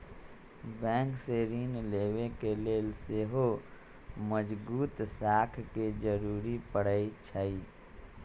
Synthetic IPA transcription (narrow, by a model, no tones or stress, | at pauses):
bɛ̃ːŋkseɾiːnleːwekeleːlseɦo | məd͡ʒbuːt̪sakʰked͡ʒəɾuːɾipəɽ̤əit͡ʃʰəi